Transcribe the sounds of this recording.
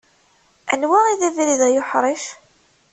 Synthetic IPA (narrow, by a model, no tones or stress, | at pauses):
æ̰nwæiðævɾiðæjʊħɾˤiʃ